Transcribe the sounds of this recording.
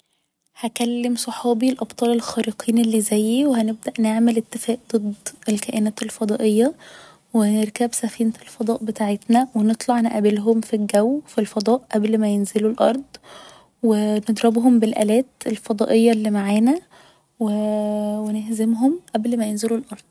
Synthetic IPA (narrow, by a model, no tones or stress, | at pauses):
hækælːemsˤɑħɑːbilʔɑbt̪ˤɑːlelxæːɾiqʰiːnelːizæjːiwehæneb̚d̪æʔneʕmelet̪ːefæːʔd̪ˤɨd̪ˤːelkæʔenæːt̪elfɑd̪ˤɑ̰ːʔejːɑ | weneɾkæbsæfiːnelfɑd̪ˤɑːʔbet̪aːʕet̪næwenet̪ˤlɑʕneʔæbelɦomfilɡæwːfilfɑd̪ˤɑːʔʔæblmæjenzelulʔɑɾˤd̪ˤ | wened̪ˤɾɑbɦombelʔæ̰læːt̪elfɑd̪ˤɑːʔejːɑlːimaʕaːnæ | wewenehzemɦomʔæblmæjenzelulʔɑɾˤd̪̥̚ˤ